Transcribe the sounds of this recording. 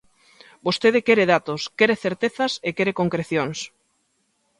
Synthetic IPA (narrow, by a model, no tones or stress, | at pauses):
bost̪eðɪkɛɾeðat̪oskeɾeθeɾt̪eθɐsekeɾekoŋkɾeθjoŋs